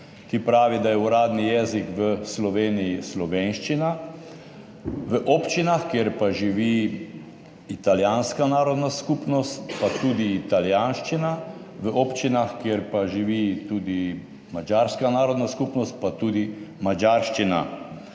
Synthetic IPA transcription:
kipɾaːʋid̪ajɛuɾaːd̪nijɛːzikʋəslɔʋeːnijislɔʋeːnʃt͡ʃina | ʋəʔɔːpt͡ʃinaxkjeɾpaʒiʋi | it̪aljaːnskanaːɾɔd̪naskupnɔst̪pat̪uːd̪iːt̪aljaːnʃt͡ʃina | ʋəʔɔpt͡ʃinaxkjeɾpaʒiʋit̪uːd̪i | mad͡ʒaːɾskanaːɾɔd̪naskupnɔst̪̚pat̪uːd̪imad͡ʒaːɾʃt͡ʃina̰

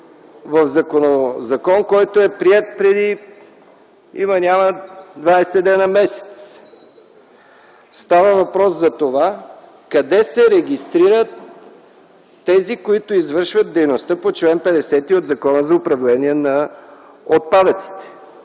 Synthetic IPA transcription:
vɐfzɐkonozɐkɔnkɔjt̪oɛpɾiɛt̪̚pɾɛd̪i | ḭmənʲaməd̪vaɛsɛd̪ɛnəmɛsɛ̥t̪s | st̪avəvɐpɾɔszɐt̪ova | kɐd̪ɛsɛɾɛɡʲist̪ɾiɾət̪ | ɛzikoit̪oizvɤɾʃvət̪̚d̪ɛjnost̪əpot͡ʃlɛnpɛd̪ɛsɛt̪iod̪zɐkɔnəzɐopɾɐvlɛniɛnɐ | ot̪̚pad̪ət̪si̥t̪ɛ̥

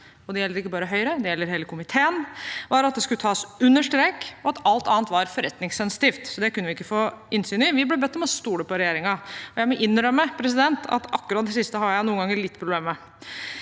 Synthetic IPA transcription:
ɔd̪ɛjɛlːəɾɪkːəbɑːɾəɦœʏɾəd̪ɛjɛlːəɾɦeːləkʰʊmɪt̪ʰeːənʋɑɾɑt̪̚d̪ɛskʉət̪ʰɑːsʉnːəʂʈɾeːkɔɑt̪ɑlt̪ɑːnt̪ʋɑɾfɔɾɛt̪ːnɪŋsɛnsɪ̥t̪iːft̪sɔd̪ɛkʰʉnːʋɪɪkːəfoːʔɪnsyːnɪʋɪblɛbɛt̪ːɔmɔst̪uːləpɔɾɛjeːɾɪŋɑɔjæɪmɔʔɪnːɾœmːəpʰɾɛsɪd̪ɛnt̪ʰɑ̰t̪ɑkːʉɾɑt̪̚d̪ɛsɪst̪əɦɑjæɪnuːənɡɑŋːəɾlɪt̪ːpʰɾʊbleːmə

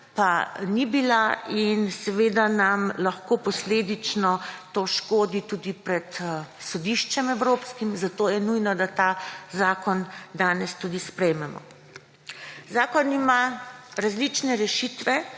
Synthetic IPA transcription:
panibilainsɛʋeːd̪anamlaxkoːpɔsleːd̪it͡ʃnɔt̪oːʃkoːd̪it̪uːd̪ipɾɛt̪sɔd̪iʃt͡ʃɛmɛwɾoːpskimzat̪oːjɛnujnɔd̪at̪azaːkɔnd̪aːnɛst̪ud̪ispɾɛjmɛmɔ̰ | zaːkɔnimaɾazlit͡ʃnɛɾɛʃit̪ʋɛ

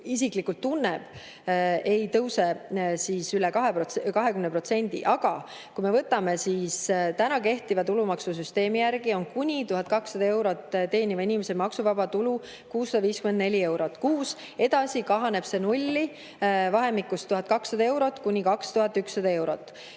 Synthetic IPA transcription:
isiklikːult̪ːunːɛb̥ | e̞jt̪ɤwsesisylɛkɑɦepokɑɦe̞kymnepro̞t̪se̞nʲd̪ḭʔɑɡ̥ɑ | kujmevɤt̪ːˑɑme̞siːst̪ænɑke̞ht̪ivɑt̪ulumɑksus̬yst̪e̞ːmijærɡ̥io̞nkunʲit̪uɦɑt̪̚kɑksːɑd̪ɑe̞wɾo̞t̪ːt̪e̞ːnivɑinimesemɑksuvɑbɑt̪ulu | kuːsːɑd̪̥ɑviːskymend̪ne̞lʲie̞wɾo̞t̪ːkuːs | e̞d̪̥ɑsikɑɦɑne̞b̥se̞nulʲːi | vɑɦe̞mikːˑust̪ːuɦɑt̪̚kɑksːɑd̪ɑe̞wɾo̞t̪ːˑkunʲikɑkst̪uhɦɑt̪ːˑykssɑd̪ɑe̞wɾo̞t̪ːˑ

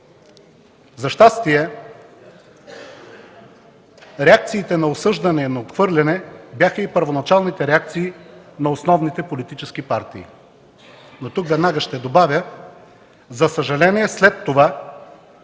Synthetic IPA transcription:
zɐʃt̪ast̪iɛ | ɾɛak̚t̪siːt̪ɛnɐosɤʒd̪ɐnɛinɐot̪xvɤɾlʲɛnɛbjaxəipəɾvonɐt͡ʃalˠnit̪ɛɾɛak̚t̪siːnɐosnɔvnit̪ɛpolit̪it͡ʃɛskipaɾt̪iː | not̪ukvɛd̪naɡəʃt̪ɛd̪obavʲjə | zɐsəʒɐlɛniɛslɛt̪ːova

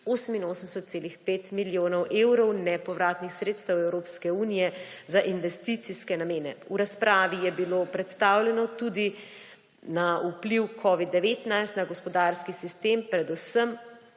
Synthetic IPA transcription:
oːsəminoːsəmsɛt̪̚seːlixpeːt̪miljoːnɔwʔewɾɔwnɛpɔʋɾaːt̪nixsɾeːt̪st̪əwɛwɾoːpskɛuːnijɛzaʔinʋɛst̪it̪siskɛnameːnɛuɾaspɾʔaːʋijɛbilopɾɛt̪st̪aːwlʲɛnɔt̪ud̪i | naupliwkʰɔːʋid̪ːɛʋeːt̪najst̪naɡɔspɔd̪aːɾskisist̪eːmpɾɛd̪usəm

